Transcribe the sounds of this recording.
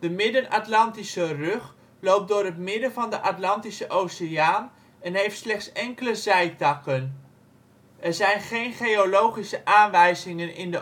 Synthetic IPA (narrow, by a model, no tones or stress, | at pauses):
d̥əmɪdənɑtlɑntisərøχ | lowp̚dʊːrɦətmɪdənvɑndəʔɑtlɑntisəʔowseaːn | ɛnɦejftslɛχtsɛŋkələzɛjtɑkən | ʔɛɹzɛjnχejnχejolowχisəʔaːnʋɛjzɪŋənɪndə